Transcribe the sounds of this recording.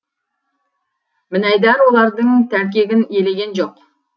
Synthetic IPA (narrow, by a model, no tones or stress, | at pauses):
mɪnɑjd̪ɑɾwo̞lˠɑɾd̪əŋt̪ʰæɾk̬ʲe̞ɡʲɪne̞le̞ɡʲe̞nʒo̞q